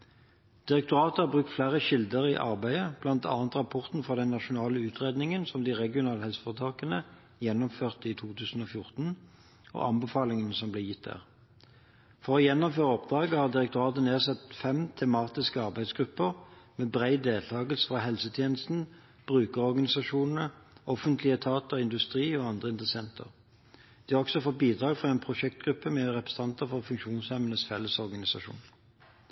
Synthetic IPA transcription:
d̪̥ɪʁɛk̚t̪ʊʁɑːt̪əhɑbʁʉk̚t̪flæːʁəʃɪld̪əʁɪʔɑ̰ʁbæɪəb̥lɑnt̪ʰɑ̰ːɑnt̪ʁɑpʰɔʁt̪n̩fɔʁd̪ɛnːɑʃʊnɑːləʉːt̪ʰʁeːd̪nɪŋənsɔmd̪iʁɛɡɪʊnɑːləhɛlsə̥fɑʁət̪ʰɑːkənə | jɛnːʊmføːʁt̪it̪ʰuːt̪ʰʉːsn̩oːfjʊʁt̪n̩ | o̰ːɑ̰mbəfɑːlɪŋənəsɔmbleːjɪt̪̚d̪æ̰ːʁ | fɔʁɔːjɛnːʊmføːʁəɔp̚d̪ʁɑːɡəhɑːʁd̪ɪʁɛkt̪ʊʁɑːt̪əneːsɑt̪fɛmt̪ʰɛmɑːt̪ɪskəɑʁbæɪd̪sɡʁʉpːəʁmeːbʁæɪd̪eːlt̪ʰɑːɡəlsə̥fʁɑɦɛlsət̪ʰjeːnəst̪n̩ | b̥ʁʉːkəʁɔʁɡɑnɪsɑʂuːnnəʔɔfənt̪ʰlɪət̪ʰɑːt̪əʁɪnd̪ʉst̪ʁiːɔːɑnd̪ʁəɪnt̪ʁəsɛnt̪ʰə̰ʁ | d̪̥iɑɔksɔfɔt̪̚biːd̪ʁɑːɡfʁɑɛnpʰʁʊʃɛk̚t̪ɡʁʉpːəmɛʁɛpʁə̥sɑnt̪əfɔʁfʉŋkʃuːnshɛmənəsfɛlːəsɔʁɡɑnɪsɑʃṵːn

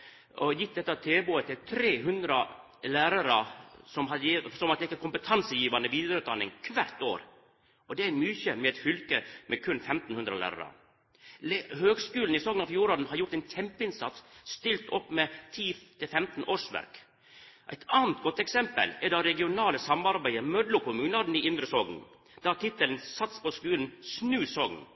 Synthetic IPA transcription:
ʔɔjɪt̪̚d̪ɛt̪ːɑt̪ʰeːboət̪ʰɪlt̪ʰɾeːɦʉnd̪ɾə | læːɾəɾɑsɔmɦɑd̪jisɔmɑt̪̚d̪ɛɪkːəkʊmpət̪ʰɑnsəjiːʋɑnəʋiːd̪əɾʉt̪̚d̪ɑnːɪŋkʰʋæɾt̪o̰ːɾ | ʔɔd̪ɛæɾmyːçəmɛɛt̪fʏlkəmʔɛkʰʉnfɛmt̪n̩hʉnd̪ɾə̰læ̰ːɾɑ̰ɾɑ̰ | lhøːɡskʉːln̩ɪsɔɡnɑʋfjuːɾoːd̪n̩hɑɾjʊʈt̪æɪnt̪ʰɛmpəɪnsɑ̰t̪sst̪ɪlt̪ɔpːmet̪ʰiːt̪ʰɪlfɛmt̪n̩ʔoːʂʋæ̰ɾk | ʔæ̰ɪt̪ʰɑːnt̪ɡɔt̪ːɛksɛmpə̰lɛd̪ɑɾɛɡɪʊnɑːləsɑmɑɾbæɪəmœd̪lʊkʰʊmʉːnɑd̪n̩ɪɪnd̪ɾəsɔɡn̩ | d̪̥ɑt̪ʰɪt̪ːəln̩sɑt̪spʰɔskʉːln̩snʉːsɔɡn

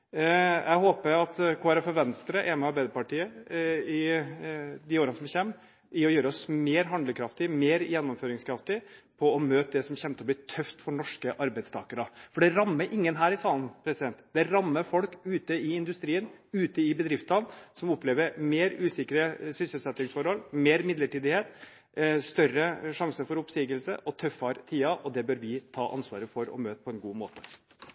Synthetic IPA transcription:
jʔæɪɦoːpəɾɑt̪kʰʋɑːɾɑfɔɾʋɛnst̪ɾəʔɛmɛɑɾbæɪd̪əpɑʈʰiːəɪ | d̪ɪoːɾənəsɔmçɛmː | ʔɪɔjøːɾɔsmeːɾɦɑnd̪ləkʰɾɑft̪ɪmeːɾjɛnːɔmføːɾɪŋskʰɾɑft̪ɪpʰɔɔmøːt̪əd̪ɛsɔmçɛmt̪əɔb̪ɪt̪ʰœft̪fɔɳɔʂkəʔɑɾbæɪt̪st̪ʰɑ̰ːkəɾɑfɔɖɛɾɑmːəɾʔɪŋːənɦæːɾɪsɑːln̩pʰɾɛsɪd̪ɛnt̪d̪̥ɛɾɑmːəɾfɔlkʉːt̪əɪɪnd̪ʉst̪ɾiːənʉːt̪əɪbəd̪ɾɪft̪ɑnsɔmɔpleːʋəɾmeːɾʉːsɪkəɾəsʏsəlsɛt̪ːɪŋsfɔɾhɔlmeːɾmɪd̪ləʈiːd̪ɪheːt̪ | st̪œrəʂɑŋsəɾfɔɾʊpsiːɡəlsə̰ʔɔt̪ʰœfɑɾt̪ʰiːɑʔɔd̪ɛbøːɾʋɪt̪ʰɑ̰ːʔɑ̰nsʋɑ̰ːɾəfɔɾɔ̰møːt̪pʰɔɛnɡuːmoːt̪ə̥

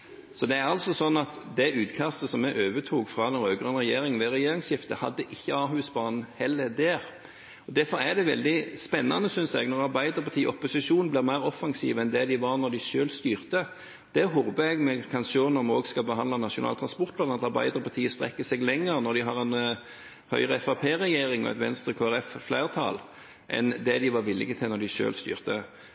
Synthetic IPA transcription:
sɔd̪ɛæɾɑlsɔsɔnːɑt̪d̪ɛʔʉːt̪kʰɑst̪əsɔmːɛʔøːʋət̪ʰuːɡfɾɑːd̪ɛnɾøːɡʁənʁɛjeːɾɪŋʋɛɾɛjeːɾɪŋsjɪft̪ə̰hɑ̰d̪ːəʔɪçːəɑːɦʉːsbɑːnn̩hɛlːəd̪æːʁ | ɔd̪æɾfɔɾæd̪ɛʋɛ̰ld̪ɪspɛnːɑ̰nəsʏnsɛ̰ɡnɔʁɑʁbæɪd̪əɾpɑt̪ʰiːʔɔpːʊsɪʂuːnn̩blɪʁmæɪʁɔfːɑŋsḭːʋɛnd̪ɛd̪ɪʋɑʁnɔd̪ɪʃøːlst̪yːʁt̪ə | d̪̥ɛɦɔbəɛɡmɛkʰɑnsoːnəʁmoːɡskɑlbəɦɑnd̪lɑnɑʂʊnɑ̰ːlt̪ʰʁɑnspɔɾt̪̚blɑnnɑt̪ɑɾbæ̰ɪd̪əɾpʰɑt̪ʰiːəst̪ɾɛ̰kːəsɛɡlɛŋəɾnɔɾd̪ɪɦɑʁɛn | hœ̰ʏʁəɛfɑpʰeːɾɛjeːɾɪŋɔ̰ɛ̰t̪ʋɛ̰nst̪ɾəkʰoːæɾɛfflæɪʁt̪ʰɑ̰l | ʔɛ̰nd̪ɛd̪ɪʋɑɾʋɪlɪ̰ɡət̪ʰɪlnɔd̪ɪʃø̰ːlst̪y̰ːʁt̪ə

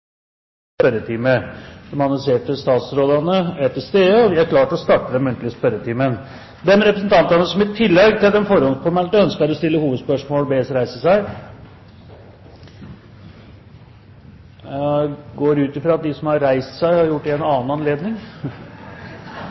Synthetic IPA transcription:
pœɾət̪ʰiːməd̪ɛmɑnɑseːʈəst̪ɑːt̪sɾoːd̪ɑnəæʈ̪ɪlst̪eːəɔʋɪæɾkʰlɑːʈɔst̪ɑʈːəd̪ɛmʉnt̪lɪəspœɾət̪ʰiːmən | d̪ɛnɾɛpɾəsnt̪ʰɑnt̪ɑnəsɔmɪt̪ʰːɪlːɛɡt̪ʰɪld̪ɛmfɔɾɔnfɔɾmɛlʈ̪əœnskəɾɔst̪ɪlːəhuːʋəd̪spœʂmoːlbeːsɾæɪsəsæɪ | ɡoːɾʉːt̪ɪfɾɑːɑt̪̚d̪ɪsɔmhɑɾːæɪst̪sæɪhɑɾjʊʈːɪɛnɑːnɑnleːd̪nɪŋ

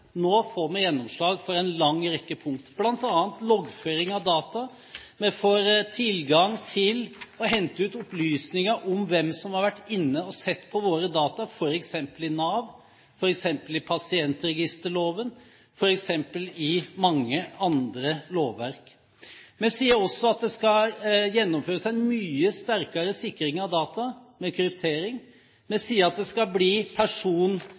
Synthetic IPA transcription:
noːfoːɾmɛjɛnːɔmʂɭɑːɡfɔɾɛnlɑŋːɾɛkːəpʰʊŋk̚t̪b̥lɑnt̪ɑːənt̪lɔɡføːɾɪŋɑʋd̪ɑːt̪ɑ | mɛfɔɾt̪ʰɪlɡɑŋt̪ʰɪlɔɦɛnt̪əʉːt̪ɔplyːsnɪŋəʔɔmʋɛmsɔmhɑɾʋæʈːɪnːəɔsɛt̪ːpʰɔʋoːɾəd̪ɑːt̪ɑfɔɾɛksɛmpəlɪnɑːʋ | fɔɾɛksɛmpəlɪpʰɑsɪɛnt̪ɾɛɡɪst̪əɭoːʋən | fɔɾɛksɛmpəlɪmɑŋːəɑnd̪ɾəloːʋːæɾk | mɛsiːəɾɔsːɔɑt̪̚d̪ɛskɑjɛnːɔmføːɾəsæɪɛnmyːəst̪æɾkɑɾəsɪkːɾɪŋɑʋd̪ɑːt̪ɑmɛkʰɾʏpt̪ʰeːɾɪŋ | mɛsiːəɾɑt̪̚d̪ɛskɑbliːpʰæʂuːn

